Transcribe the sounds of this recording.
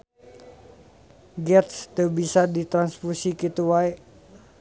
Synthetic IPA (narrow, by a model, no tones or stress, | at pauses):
ɡɛt̪st̪əbisadit̪ɾanspusikit̪uwae